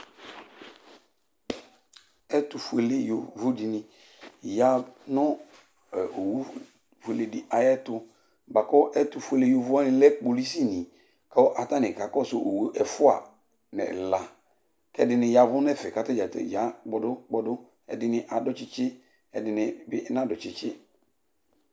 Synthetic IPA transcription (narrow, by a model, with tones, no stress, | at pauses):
ɛ˦tʊ˨fu˨e˨le˦jo˨vʊ˦di˨nɪ̃˨ | ja˦nɔ̃˦˨ | o˨wu˦ | fu˨e˨le˨di˨ʔa˨jɛ˦tʊ˦ | ba˨kɔ˦ʔɛ˦tʊ˨fu˨e˨le˦jo˦vʊ˦a˦nɪ̃˦lɛ˦k͡po˨li˦si˦˨nĩ˨ | ka˦ɔ˦ʔa˨ta˦nɪ˨ka˨kɔ˦sʊ˨ʔo˨wʔɛ˨fʊ˦a̰˨ | nɛ̰˨la˨ | kɛ˦dɪ˨nɪ˨ja˨vʊ˦nɛ˦˨fɛ˨ka˨ta˦d͡ʒa˨tɛ̰˨d͡ʒa˨˦ɡ͡bɔ˨dʊ˦k͡pɔ˦dʊ˦ | ɛ̰˨dɪ˦nɪ˦ʔa˨dɔ˦t͡ʃɪ˦t͡ʃɪ˦ | ɛ˨dɪ˨nɪ˨bɪ˦nã˦dɔ˨t͡ʃɪ˨t͡ʃɪ˦